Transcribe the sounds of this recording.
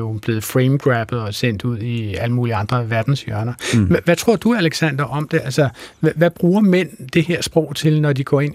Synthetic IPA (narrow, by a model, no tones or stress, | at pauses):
o̝b̥le̝ːð̩ˠfʁeɪmɡ̥ʁæb̥ð̩ˠɒ̽sen̰d̥uð̰ˠiæləmuːliɑ̈nd̥ʁɐʋæɐd̥n̩sjɶɐnɐʋæt͡sʰʁo̝ɐ̰d̥uæleɡ̥sæn̰d̥ɐʔɒ̽md̥e̝ʔælsɐʋæb̥ʁuːɐmen̰d̥e̝heɐ̰sb̥ʁɔ̽ʊ̰t͡sʰe̝lnɒd̥iɡ̥ɒ̰ːe̝n